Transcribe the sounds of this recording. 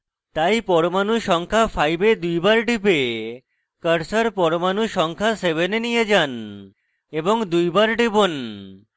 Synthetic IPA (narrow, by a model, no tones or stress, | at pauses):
t̪ajpɔɽomanuʃɔŋkʰapʰajbed̪ujbaɾɖipe | kəɾsəɾpɔɽomanuʃɔŋkʰaseβenenijed͡ʒan | eboŋd̪ujbaɾɖibon